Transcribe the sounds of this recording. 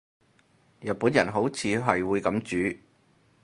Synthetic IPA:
jɐ˨t̚puː˨˥njɐ˨˩nɦo˨˥wt͡sʰiː˨˧ɦɐ˨jwuː˨˧jkɐ˨˥mt͡ʃyː˨˥

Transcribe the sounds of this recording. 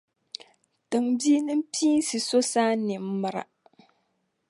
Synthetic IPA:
tɨ˨ŋbi˦nɨ˦m˦piː˦n˦sɨ˨so˦saː˦nɪ˨mː˦ɨ˦ɾa̰˨

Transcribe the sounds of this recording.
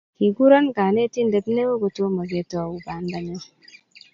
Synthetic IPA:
ki˨ɡu˦ɾa˦nka˨ne˦ti˦n˦de˨tne˦wo˦ɡo˨to˦mo˨ɡe˦tɔ˨u˨ba˨n˦da˦ɲe˦

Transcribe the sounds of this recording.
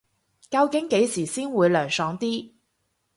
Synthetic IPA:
kɐ˧wkɪ˨˥ŋke˨˥jsiː˨˩siː˥nwuː˨˧jlœː˨˩ŋsɔː˨˧ŋt̪iː˥

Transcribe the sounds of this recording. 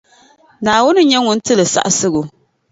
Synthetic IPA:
naː˨wʊ˦nɨ˦ɲɛ˦ŋʊ˨n̩˦tɨ˦lɨ˨sa̰˦ʔa˨sɨ˦ɣʊ˨

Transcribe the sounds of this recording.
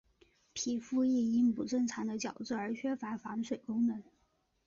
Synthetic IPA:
pʰi˨˩fu˥˧i˥˩i˥npu˨˩ʈ͡ʂɤ˥˩ŋt͡sʰɑ˧˥ŋd̪ə˧t͡ɕjɑ˨˩ʊt͡sɹ̩˥˩ə˞˧˥t͡ɕʰɥɛ˥fa˧˥fɑ˧˥ŋʂwe˨˩ɪkʊ˥ŋnɤ˧˥n

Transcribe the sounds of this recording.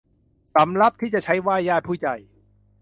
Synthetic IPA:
sa˩˦mɾa˦˥p̚t̪ʰiː˥˩t͡ɕa˨˩t͡ɕʰa˦˥jwaː˥˩jaː˥˩t̪̚pʰuː˥˩t͡ɕa̰˨˩j

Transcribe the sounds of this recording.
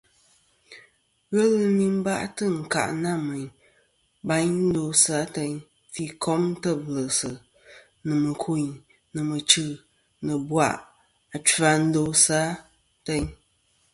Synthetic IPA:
ɣə˦lɨ˦ni˦m˦ba˦ʔtɨ˦˨ŋ̩˨ka̰˨ʔna˦˨mɨ˨ɲ | ba˦ɲn̩˦do˦sa˨˦te˧ɲ | fi˦kʰɔ˦m˦tə˦˨plə˨sɨ˨ | nɨ˨mɨ˨kʰu˨ɲ | nɨ˨mɨ˨t͡ʃɨ˨ | nɨ˨bwa̰˨ʔ | a˨t͡ʃa˨n̩˦do˦sa˨˦ | te˦ɲ

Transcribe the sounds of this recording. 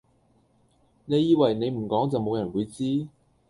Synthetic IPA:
ne˨˧jːiː˧wɐ˨˩jne˨˧jm̩˨˩kɔː˨˥ŋt͡sɐ˨wmo˨˧wjɐ˨˩nwuː˨˧jt͡siː˥

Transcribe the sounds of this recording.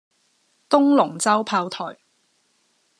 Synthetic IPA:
t̪ʊ˥ŋlʊ˨˩ŋt͡sɐ˥wpʰaː˧wt̪ʰɔ̰ː˨˩j

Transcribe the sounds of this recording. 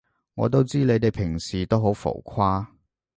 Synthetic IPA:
ŋɔ̰ː˨˧t̪o˥wt͡siː˥le˨˧jt̪e˨jpʰɪ˨˩ŋsiː˨˩t̪o˥wɦo˨˥wfo̰˨˩wkʰwaː˥

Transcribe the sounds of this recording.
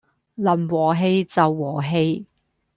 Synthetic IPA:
lɐ˨˩nwɔː˨˩ɦe˧jt͡sɐ˨wːɔː˨˩ɦe˧j

